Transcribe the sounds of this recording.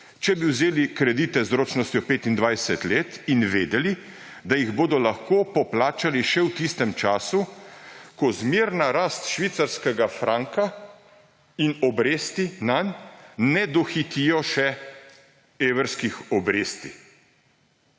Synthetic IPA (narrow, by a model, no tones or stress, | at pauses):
t͡ʃɛbiwzeːlikɾɛd̪iːt̪ɛzɾoːt͡ʃnɔst̪jɔpeːt̪ind̪ʋajsɛt̪leːt̪inʋeːd̪ɛli | d̪ajiɣboːd̪ɔlaxkoːpɔplaːt͡ʃaliʃɛwt̪ist̪ɛmt͡ʃaːsu | kɔzmeːɾnaɾaːst̪ʃʋiːt̪saɾskɛɡafɾʔaːŋka | inɔbɾeːst̪inanːɛd̪ɔxit̪iːjɔʃɛ | eːwɾskixɔbɾeːst̪i